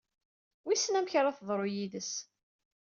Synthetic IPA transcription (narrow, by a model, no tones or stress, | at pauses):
wisnæmçɾˤɑθðˤɾˤojiðəs